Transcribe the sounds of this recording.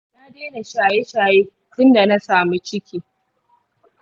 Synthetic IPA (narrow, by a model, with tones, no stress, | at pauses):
na˦deː˦na˨ʃaː˨je˦ʃaː˨jeː˦ | tʊ˦nda˨na˦saː˨mu˦t͡ʃɪ˦kʲʰiː˦